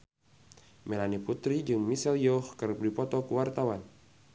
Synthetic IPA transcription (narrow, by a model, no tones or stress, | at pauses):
mɛlaniput̪ɾid͡ʒɨŋmisɛljɔhkɨrdipɔt̪ɔkuwart̪awan